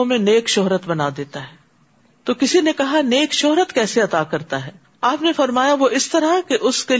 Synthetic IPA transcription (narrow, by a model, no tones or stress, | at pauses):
mẽneːkʃɔɦɾət̪bɐnaːd̪eːt̪aɦɛː | t̪oːkɪsinekɐɦaneːkʃoɦɾət̪kɛːseɐt̪aːkɐɾt̪aɦɛː | aːpnefɐɾmaːjaʋoʔɪst̪ɐɾakeʔʊske